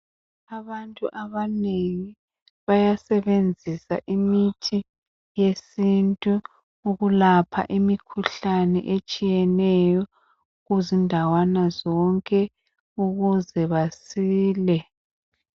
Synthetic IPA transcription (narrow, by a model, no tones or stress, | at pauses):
aβantʼuʔaβaneŋi | βajasɛβend͡zʱisa̰ʔimitʰi | jesintʼu | uɣulapʰa̰ʔimikʰuɬanɛ̰ʔet͡ʃʼijɛnɛjɔ | ɣuzindʱawanazɔŋkʼɛ | uɣuzɛβasiːlɛ